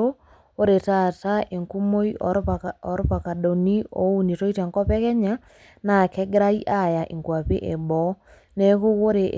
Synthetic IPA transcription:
o | o˦ɾe˨tataʔe˨ŋku˦mo˦i | ɔɾo˦pa˨ka˨do˨ni˦o̰˦u˦ni˨to˦i˦ta˨ŋkɔ˦pɛkɛ˦ɲa | na˨kɛ˦ɡɾai˦ʔajaʔe˨ŋkwa˨pḛ˦ʔe˨bɔ | neko˦ɣo˦ɾe˨ʔ

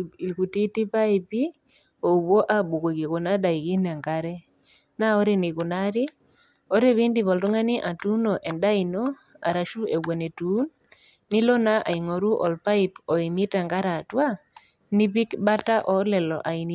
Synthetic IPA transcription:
i˨lku˨ti˦ti˦pa˦i˨pi˦ | o˨bo˦ʔa˦bu˨ke˨ki˨ko˨na˦da˨i˨ki˦na˨ŋɡa˦ɾɛ˦ | na˦ɔ˦ɾe˦ni˨ku˨na˦ɾɪ˦ | ɔ˦ɾe˦βi˦ndi˨βɔ˨ltʊ˦ŋa˦ni˦ʔa˨tu˦nɔ˨ʔɛ˨nda˦i˨nɔ˦ | a̰˨ɾa˨ʃu˦e˨ɡwo˨ne˨tu˦nː | i˦lɔ˦na˦ʔa̰˨i˨ŋɔ˨ɾu˦ʔɔ̰˨lpa˦i˦pɔ˨i˨mi˦ta˨ŋɡa˦ɾa˨twa˦ | ni˦pi˦kba˦ta˦ʔɔ˨lɛ˨lɔ˨ʔa˨i˨n˨

